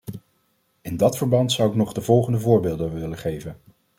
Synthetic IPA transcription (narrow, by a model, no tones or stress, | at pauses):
ɪndɑtfəɹbɑntsʌwɪknɔχdəvɔlˠχəndəvʊːɹbɪːlˠdəʋɪləχejvən